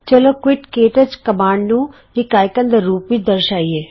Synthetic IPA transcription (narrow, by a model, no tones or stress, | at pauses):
t͡ʃɐloːkwɪʈkeːʈət͡ʃkɐmãːɳɖnũ | ɪkaːjkə̃nd̪əɾːuːpʋid̪ɐɾʃaːieː